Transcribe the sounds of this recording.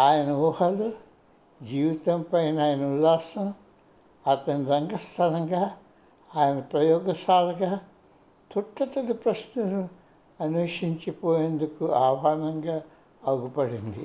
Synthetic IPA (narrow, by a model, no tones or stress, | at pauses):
aːjɐnɐuhɐlu | d͡ʒiːʋit̪ɐmpɐjnaːjɐnɐulːaːsɐm | ɐt̪ɐniɾɐŋɡɐst̪ʰɐlɐŋɡaː | aːjɐnɐpɾɐjɔːɡɐsaːlɐɡaː | t̪uʈːɐt̪ɐd̪ɐpɾɐʃnɐnu | ɐnuːʂiɲt͡ʃipoːjeːnd̪ukuaːʋaːɾnɐŋɡaː | ɐɡupɐɽind̪ḭ